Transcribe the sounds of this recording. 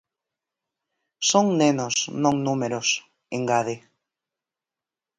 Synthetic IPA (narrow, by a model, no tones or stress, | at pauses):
soŋnenosnõŋnumeɾos | eŋɡaðe